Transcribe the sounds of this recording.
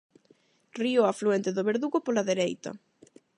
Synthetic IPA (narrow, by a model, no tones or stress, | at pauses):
rioafluɛnt̪eðoβeɾðuɣopolaðeɾejt̪ɐ̰